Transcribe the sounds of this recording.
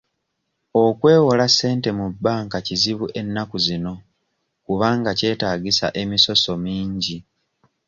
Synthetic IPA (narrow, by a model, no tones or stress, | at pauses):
o̞kwe̞ːwolase̞ːnte̞mubːaːŋkaciziβuʔe̞nːakuzino̞ | kuβaːŋɡace̞ːtaːɡisa̰ʔe̞miso̞so̞miːɲɟi